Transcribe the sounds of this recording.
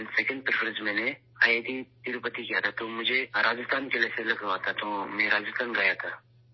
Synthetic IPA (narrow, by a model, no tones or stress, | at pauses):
nsɛːkə̃ɳɖpɾfəɾə̃zmɛ̃ːne | aːjeːt̪it̪iɾʊpət̪ikijat̪ʰat̪omʊd͡ʒʱeɾaːd͡ʒɪst̪aːnkeleselɐkʰɾəʋaːt̪ʰat̪omẽːɾaːd͡ʒɪst̪aːnɡɐjat̪ʰaː